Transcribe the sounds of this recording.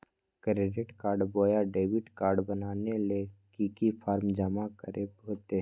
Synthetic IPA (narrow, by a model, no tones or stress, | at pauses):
kɾeːɖɪʈkaːɾɖboːjaɖeːʋɪʈkaːɾɖbənaːnelekikipʰaːɾmd͡ʒəmakəɾʔepɦoːt̪e